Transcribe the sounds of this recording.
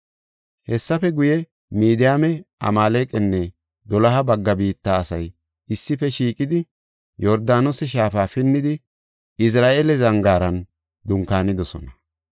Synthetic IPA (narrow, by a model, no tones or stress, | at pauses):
hɛsːɐfɛɡʊjɛ | miːd̪ɪjaːmɛɐ̰maːleːkʼɛnːɛ | d̪ɔlɐɦɐbɐɡːɐbiːt̪ːaːsɐj | ɪsːɪfɛʃiːkʼɪd̪ɪ | jɔɾd̪aːnɔsɛʃ̬aːfaːfɪnːɪd̪ɪ | ɪs̬ɾaːʔeːlɛzɐŋɡaːɾɐn | d̪ʊŋkaːnɪd̪ɔsɔ̰nɐ